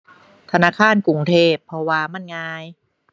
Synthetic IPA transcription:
t̪ʰa˧naː˧˥˩kʰaː˥˨nku˨˩ŋt̪ʰeː˧˩pʰːɔ˧waː˧ma˧˥˩nŋaː˧j

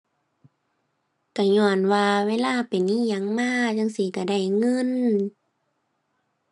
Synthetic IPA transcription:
ka˧˩ɲɔː˧˩nwaː˧weː˧˥˨laː˧˨pa˨˩nʔiː˧˥˨ɲa˧˩ŋmaː˧˥˨t͡ɕa˧˥˨ŋsi˧˩˨ka˧˩da˧˩jŋɤ˧˥˨n

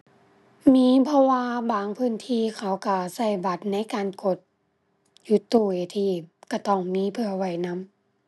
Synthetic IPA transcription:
miː˧˥˨pʰɔ˧waː˧baː˨˩ŋpʰɯː˧˥˨nt̪ʰiː˧˨kʰa˧˩wka˧˩sa˧˩jba˧˩t̪̚na˧˥˨jkaː˨nko˧˩t̪̚ | ju˧˦t̪ːuː˧˩eː˧˩t̪ʰiː˧˩ka˧˩t̪ɔː˧˩˨ŋmiː˧˥˨pʰɯ˧˨ɐwa˧˩jna˧˥˨m

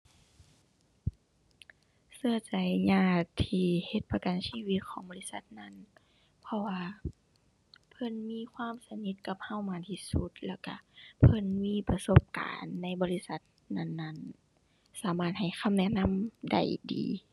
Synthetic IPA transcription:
sɯ˧ət͡ɕa˨˩jɲaː˧˩t̪ʰiː˧he˧˦t̪̚pa˧ka˨˩nsiː˧˥˨wi˧˦t̪̚kʰɔː˨˦ŋbɔː˧˦li˧˥˨sa˧˦t̪̚na˧˥˨n | pʰɔ˧waː˧ | pʰɤ˧˥˨nmiː˧˥˨kʰwaː˧˥˨msa˧ni˧˦t̪̚ka˧˦p̚ha˧˥˨wmaː˧˥nt̪ʰi˧su˧˦t̪̚lɛː˧˩wka̰˧˩pʰɤ˧˥˨nmiː˧˥˨pa˧so˧˥p̚ka̰ː˨nːa˧˥˨jbɔː˧˦li˧˥sa˧˦t̪̚ | na˧˩˨nːa˧˥˨n | saː˨˦maː˧˩t̪̚ha˨˩jxʰa˧˥˨mnɛ˧˨na˧˥˨mda̰˧˩jdḭː˨˦

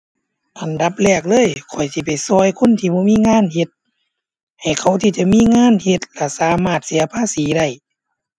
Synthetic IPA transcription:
ʔa˨nda˧˦p̚lɛː˧˩k̚lɤː˧˥˨jkʰɔ˨˩jsi˧˩pa˨˩jsɔː˧˩jkʰo˧˥˨nt̪ʰiː˧˩bɔː˧˦miː˧˥˨ŋaː˧˥˨nhe˧˦t̪̚ | ha˨˩jkʰa˧˩wt̪ʰiː˧˩t͡ɕa˧˦miː˧˥˨ŋaː˧˥˨nhe˧t̪̚la˧˩saː˨˦maː˧˩t̪̚si˨˦ɐpʰaː˧˥˨siː˨˦da˧˩j

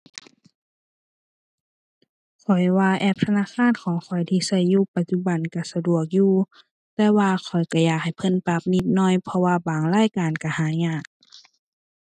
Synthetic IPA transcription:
kʰɔ˨˩jwaː˧ʔɛː˧˩p̚t̪ʰa˧naː˧˥˨kʰaː˧˥˨nkʰɔː˨˦ŋkʰɔ˨˩jt̪ʰiː˧sa˧˩jːuː˧˨pa˧t̪̚t͡ɕu˧˩ba˨˩nka˧˩sa˧du˧˩ək̚juː˧˨ | t̪ɛː˧waː˧kʰɔ˨˩jka˧˩jaː˧˩k̚ha˨˩jpʰɤ˧˥˨npa˧˦p̚ni˧˩t̪̚nɔː˧˥˨jpʰɔ˧waː˧baː˨˩ŋlaː˧˥˨jkaː˨nka˧˩haː˨˦ɲaː˧˩˨k̚

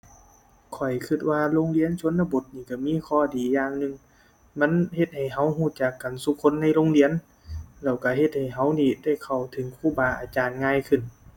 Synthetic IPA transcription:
kʰɔ˨˩jkʰɯ˧˩t̪̚waː˧loː˧˥˨ŋli˧˥˨ə˨nt͡ɕʰu˧˥ənːa˧bo˧˦t̪̚niː˧˩ka˧˩miː˧˥˨kʰɔː˧˩˨diː˨jaː˧ŋnɯ˧˨ŋ | ma˧˥˨nhe˧t̪̚ha˨˩jɦa˧˥˩wɦuː˧˩t͡ɕa˧˩kːa˨˩nsu˧˦kʰːo˧˥˨nːa˧˥˨jloː˧˥˨ŋli˧˥˨ə˨n | lɛː˧˩wka˧˩ɦe˧t̪̚ha˨˩jɦa˧˥˩wniː˧˩˨da˧˩˨jkʰa˨˩wt̪ʰɯ˨˦ŋkʰuː˧˩˨baː˨˧˩ʔaː˨˧˩t͡ɕaː˨nŋaː˧˥˨jkʰɯ˧˩n

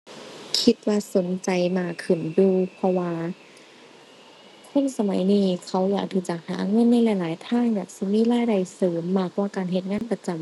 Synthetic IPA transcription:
kʰi˧t̪̚waː˧so˨˦nt͡ɕa˨jmaː˧˩kʰɯ˨˩nduː˧˩pʰɔ˧waː˧ | kʰo˧˥˨nsa˧ma˨˦jniː˧kʰa˧˩wjaː˧˩k̚t̪ʰi˧˩t͡ɕa˨˩k̚haː˨˦ʔŋɤː˧˥˨nːa˧˥˨jla˧˦jlaː˨˦jt̪ʰaː˧˥˩ŋjaː˨˩k̚si˧˦miː˧˥˨laː˧˥˩jda˨˩jsɤː˨˦mːaː˧˩k̚waː˧˩kaː˨nɦe˧t̪̚ŋaː˧˥˨npa˧t͡ɕa˨m

